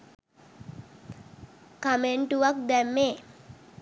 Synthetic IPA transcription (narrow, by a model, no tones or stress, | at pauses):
kameɳʈuʋak̚d̪ɛmːeː